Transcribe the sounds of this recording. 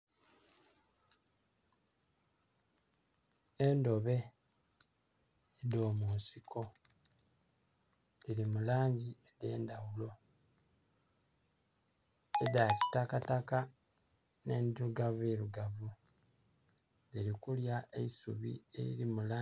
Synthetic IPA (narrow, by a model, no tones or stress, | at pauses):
endo̞βe̞ | ido̞ːmuːsikʰo̞ | liɾimulaːɲɟiede̞ːndawulo̞ | edaci̥takataka | neːndɾuɡaveɾuɡavu | ðiɾikuljaʔeisṵβḭe̞̰ḭɾimulaː